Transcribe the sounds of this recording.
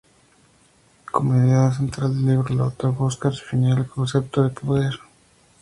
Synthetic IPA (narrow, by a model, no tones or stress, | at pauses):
komeðjaðas̬ent̪ɾald̪eliβɾolo̰t̪oβoskaɾse̥finaelkʰonsep̚t̪oðepʰoðeɾ